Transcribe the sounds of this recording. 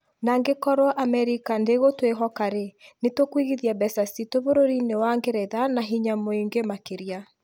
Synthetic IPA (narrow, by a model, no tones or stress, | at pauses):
naːŋɡekɔɾwaʔamɛɾikandeɣotweɦɔkaɾenetokwiɣiðiabɛsasitoβoɾoɾinewaŋɡeɾɛðanaɦiɲamoiŋɡemakeɾja